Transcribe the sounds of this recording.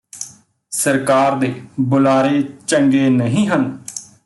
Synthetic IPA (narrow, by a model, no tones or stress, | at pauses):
səɾkaːɾd̪eːbʊlaːɾeːt͡ʃəŋɡeːnəɦĩːɦən